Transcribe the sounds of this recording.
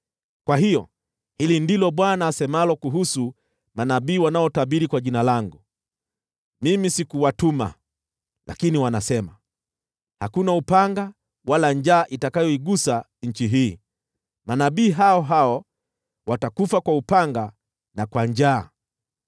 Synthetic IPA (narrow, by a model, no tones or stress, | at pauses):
kwaɦijɔ̰ | hilindilɔɓwanaːsɛmalɔkuɦusu | manaɓiːwanaɔtaɓiɾikwaʄinalaŋɡu | mimisikuwatuma̰ | lʔa̰kiniwanasɛma | hakunaupaŋɡa | walaɲd͡ʒaːʔitakajɔiɡusa | ɲ̩t͡ʃiɦiː | manaɓiːɦaɔɦaɔ | watakufakwaupaŋɡa | nakwaɲd͡ʒaː